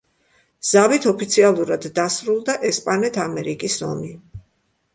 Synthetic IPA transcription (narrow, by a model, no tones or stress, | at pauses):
z̥avit̪ʰɔpʰit̪sʰialˠuɾad̪ːasɾulˠd̪aʔɛspʼanɛt̪ʰamɛɾikʼisɔ̰mi